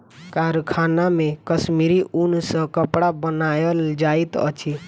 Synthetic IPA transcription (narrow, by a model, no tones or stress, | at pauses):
kaɾkʰanamẽkəsmiɾiʔunsə̃kəpɽabənajəld͡ʒait̪ə̰t͡ʃʰi